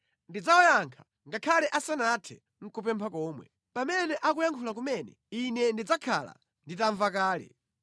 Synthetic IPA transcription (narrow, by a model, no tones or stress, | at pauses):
ndid͡zaɔjaŋkʰḁ | ŋɡakʰalɛʔasanatʰɛ | ŋ̩kup̬ɛmpʰakɔːmwɛ̰ | pamɛnɛʔakujaŋkʰulak̬umɛnɛ̰ | inɛndid͡zakʰa̰la̰ | nditaɱvakaːlɛ̰